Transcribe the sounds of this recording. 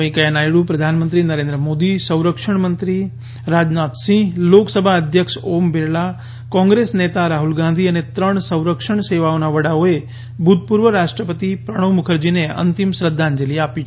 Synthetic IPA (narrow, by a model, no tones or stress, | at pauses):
əĩkəjanajɽupɾəd̪ʱanmə̃nt̪ɾinəɾẽnd̪ɾəmoːd̪isə̃w̃ɾəkʂəɳ̃mənt̪ɾi | ɾaːd͡ʒnaːt̪sĩloksəbʱaəd̪ʱjəkʃoːmbeɾɭa | kɔ̃ŋɡɾesnet̪aɾaːɦulɡãnd̪ʱiənet̪ɾəɳ̃sə̃w̃ɾəkʂəɳ̃seʋaonaʋəɽaoe | bʱut̪̚pʊɾʋəɾaʂʈɾəpət̪ipɾəɽ̃əʋmʊkʰəɾd͡ʒineə̰nt̪imsɾəd̪ʱːand͡ʒəliapi